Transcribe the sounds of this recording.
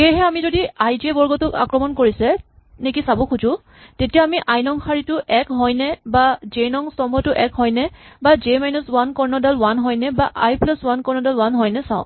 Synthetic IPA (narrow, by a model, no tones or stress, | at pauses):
xejɦɛamizodiajdiebɔɹɡɔtʊka̰kɹɔmɔnkoɹisɛ | nekisabɔkʰuzʊ̃ | tetijaamiʔajnɔŋxʰaɹitʊʔɛkɦɔjnɛbazenɔŋstɔmbɔtʊʔɛkhɔjnɛbazemajnuswankɔɹnɔdalwanɦɔjnɛbaʔajplɔswankɔɹnɔdalwanɦɔjnɛsã̰ʊ̃